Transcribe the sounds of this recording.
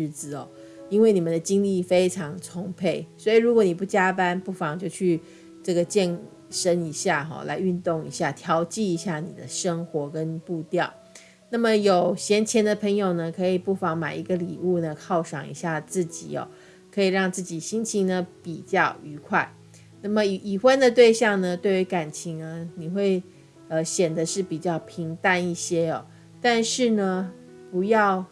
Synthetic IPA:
ɻ̩˥˩t͡sɹ̩˨˩ɔ̰˨˩ | i˥nwe˥˩ɪni˨˩mə˦nd̪ə˩t͡ɕi˥ŋli˥˩fe˥ɪʈ͡ʂʰɑ˧˥ŋt͡sʰʊ˥ŋpʰe˥˩ɪswɔ˧˥i˨˩ɻu˧˥kwɔ˧˦ni˨˩pu˥˩t͡ɕja˥pa˥npu˥˩fɑ˨˩ŋt͡ɕjo˥˧ʊt͡ɕʰy˥˧ | ʈ͡ʂɤ˥˩ɡə˩t͡ɕjɛ˥˩n | ʂə˥ni˧˥ɕja˥˩xɔ̰˨˩la̰˧˥ɪy˥˧nt̪ʊ˥˩ŋḭ˧˥ɕja˥˩t̪ʰjɑ˧˥ʊt͡ɕi˥˩i˧˥ɕja˥˩nḭ˨˩d̪ə̰˦ʂə˥ŋxwɔ˧˥kə˦n˩pu˥˧t̪jɑ˥˨˩ʊ | na˥˩mə˨jo˨˩ʊɕjɛ˧˥nt͡ɕʰjɛ˧˥nd̪ə˨pʰɤ˧˥ŋjo˨˩ʊnə˩kʰɤ˧˥i˨˩pu˥˩fɑ˧˥ŋma˨˩ɪi˧˥ɡə˧lḭ˨˩u˥˩nə˩kʰɑ˥˩ʊʂɑ˨˩ŋḭ˧˥ɕja˥˧t͡sɹ̩˥˩t͡ɕḭ˨˩ɔ̰˩ | kʰɤ˧˥i˨˩ɻɑ˥˧ŋt͡sɹ̩˥˩t͡ɕi˨˩ɕi˥nt͡ɕʰi˧˥ŋnə˧pi˨˩t͡ɕjɑ˥˩ʊy˧˥kʰwa˥˩ɪ | na˥˩mə˩˨˩ʔi˨˩xwə˦˥nd̪ə˨t̪̬we˥˧ɪɕjɑ˥˩ŋnə˨t̪we˥˩ɪy˧˥ka˨˩nt͡ɕʰi˧˥ŋə˧ni˨˩xwe˥˩ɪ | ə˧ɕjɛ˨˩nd̪ə˦ʂɻ̩˥˩pi˨˩t͡ɕjɑ˥˩ʊpʰi˧˥ŋt̪a˥ni˥˩ɕjɛ˥ɔ̰˨ | t̪a˥˧nʂɻ̩˥˩nə˩ | pu˧˥jɑ˥˩ʊ

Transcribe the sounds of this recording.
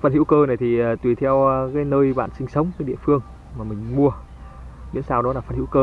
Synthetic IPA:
fəː˧˩nhḭ˧˥wkəː˧na˨˩jt̪ʰi˨˩əː˨˩t̪wi˨˩t̪ʰɛ˧wkaː˨˦jnəː˧jɓa̰ː˧˨nsï˧ŋ̟sə˨˦wŋ͡mkaː˨˦jɗḭ˧˨əfɨ˧əŋ | maː˨˩mï˨˩ŋ̟mu˧ə | mḭ˧˥ənsaː˧wɗɔ˨˦laː˨˩fə˧˩nhḭ˧˥wkəː˧

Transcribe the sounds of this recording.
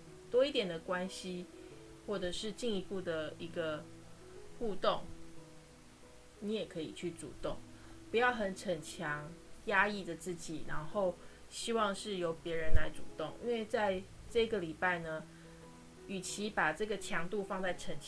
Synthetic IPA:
t̪wɔ˥i˥˩t̪jɛ˨˩nd̪ə˩kwa˦nɕi˦ | xwɔ˥˩ʈ͡ʂɤ˨˩ʂɻ̩˥˧t͡ɕi˥˩ŋi˧˥pu˥˩d̪ə˩i˧˥ɡə˧ | xu˥˧t̪o˥˩ŋ | ni˨˧˥jɛ˨˩kʰɤ˧˦i˨˩t͡ɕʰy˥˩t͡sṵ˨˩t̪o˥˩ŋpu˧˦jɑ˥˩ʊxə˨˩nʈ͡ʂʰə˨˩nt͡ɕʰjɑ˧˦˥ŋja˥i˥˩də˩t͡sɹ̩˥˩t͡ɕi˨˩ɻa˧˦˥nxo˥˩ʊ | ɕi˥wɑ˥˧ŋʂɻ̩˥˩jo˧˥ʊpjɛ˧˥ɻə˧˦nla˧˥ɪt͡su˨˩t̪o˥˩ŋḭ˥nwe˥˧ɪt͡sa˥˧ɪ | ʈ͡ʂɤ˥˩i˧˦ɡə˨li˨˩pa˥˩ɪnə˩ | y˨˩t͡ɕʰi˧˥pa˨˩ʈ͡ʂɤ˥˩ɡə˩t͡ɕʰjɑ˧˥ŋt̪u˥˧fɑ˥˧ŋt͡sa˥˩ɪʈ͡ʂʰə˨˩nʰ

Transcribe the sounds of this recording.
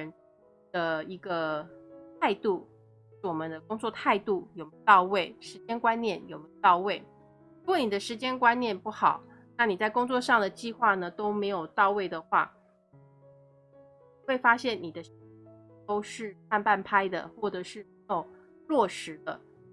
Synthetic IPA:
ə˧˥n | d̪̥ə˧i˧˥ɡə˧t̪ʰa˥˧ɪt̪u˥˩˥ | wɔ˨˩mə˦nd̪ə˧kʊ˥ŋt͡swɔ˥˧t̪ʰa˥˧ɪt̪u˥˩jo˨˩ʊme˧˥˧t̪ɑ˥˧ʊwe˥˩ɪʂɻ̩˧˥t͡ɕjɛ˥nkwa˦nnjɛ˥˩njo˨˩me˧˥jo˧t̪ɑ˥˧ʊwe˥˩ɪ | ɻu˧˥kwɔ˥˨˩ni˨˩d̪ə˦ʂɻ̩˧˥t͡ɕjɛ˥nkwa˥nnjɛ˥˧npu˥˩xɑ˨˩˦ʊna˥˩ni˨˩t͡sa˥˩ɪkʊ˥ŋt͡swɔ˥˧ʂɑ˥˩ŋd̪ə˩t͡ɕi˥˧xwa˥˩nə˩t̪o˥ʊme˧˥ɪjo˨˩ʊt̪ɑ˥˧ʊwe˥˩ɪd̪ə˩xwa˥˩˨ | we˥˩ɪfa˥ɕjɛ˥˩nni˨˩d̪ə˦ɕi˧˥t̪o˥ʊʂɻ̩˥˩˧pʰa˥˧npa˥˩npʰa˥ɪd̪ə̰˨xwɔ˥˩ʈ͡ʂɤ˨˩ʂɻ̩˥˩me˧˥ɪjo˨˩ʊ | lwɔ˥˩ʂɻ̩˧˥d̪ə˧

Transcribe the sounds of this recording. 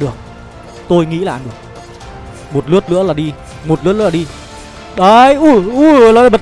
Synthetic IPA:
ɗɨ˨˩ək̚ | t̪o˧jŋḭ˧˥la̰ː˧˨˩ɗɨ˨˩ək̚ | mo˨˩t̚lɨ˦ət̚lɨ̰˧˥əlaː˨˩ɗi˧ | mo˨˩t̚lɨ̰˦˥t̚ɨ˧˥˦lːi˧ | ɗə˨˧˦jʔu˧˩u˧˩˨lɔ˨˦˧ɓə˨˩

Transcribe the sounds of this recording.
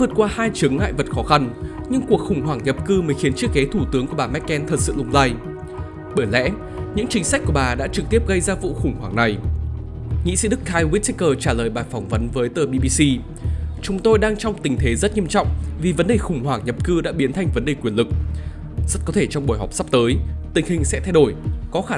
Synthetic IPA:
vəː˨˩t̚kwaː˧haː˧jt͡ɕɨ˨˦əŋŋa̰ː˧˨jvə˨˩t̚xɔ˨˦xa˧n | ɲɨ˧ŋku˨˩ək̚xʊ˨˧˩ŋ͡mɦwaː˧˩ŋɲə˨˩p̚kɨ˧məː˨˦jxi˨˦ənt͡ɕi˦˥əkːɛ˨˦t̪ʰu˧˩t̪ɨ˨˦əŋku˧˩ɓaː˨˩mɛ˦˥t̚kɛ˧nt̪ʰə˨˩t̚sɨ̰˧˨lʊ˧ŋ͡mzaː˧j | ɓəː˧˩jlɛ̰˧˥ | ɲɨ̰˧˥ŋt͡ɕï˨˦ŋsa˦˥k̟̚ku˧˩əɓaː˨˩ɗa̰ː˧˥t͡ɕɨ˨˩k̚t̪i˦˥əp̚ɣə˧jzaː˧vṵ˧˨xʊ˧˩ŋ͡mwaː˧˩ŋna˨˩j | ŋḭ˧˥sḭ˧˥ɗɨ˦˥k̚ʰːaː˧jwi˦˥t̚ti˦˥kəː˧˩t͡ɕaː˧˩ləː˨˩jɓaː˨˩jfɔ˨˧˩wŋ͡mvə˨˦nvəː˨˦jt̪əː˨˩ɓi˧ɓi˧si˧ | t͡ɕʊ˨˦ŋ͡mt̪o˧jɗaː˧ŋt͡ɕɔ˧wŋ͡mt̪ï˨˩ŋ̟t̪ʰe˨˦zə˦˥t̚ɲi˧əmt͡ɕɔ̰˧˨wŋ͡mvi˨˩və˨˦nɗe˨˩xʊ˨˩ŋ͡mwaː˧˩ŋɲə˨˩p̚kɨ˧ɗa̰ː˧˥ɓi˨˦ənt̪ʰa˧jŋ̟və˨˦nɗe˨˩kwi˧˩ənlɨ˨˩k̚ | z̥ə˦˥t̚kɔ˨˦t̪ʰe˧˩t͡ɕɔ˧wŋ͡mɓu˧˩jɦɔ˨˩wk͡p̚sa˦˥p̚t̪əː˨˦jt̪ï˨˩ŋ̟hï˨˩ŋ̟sɛ̰˧˥t̪ʰjɗo˧˩jkɔ˨˦xaː˧˩

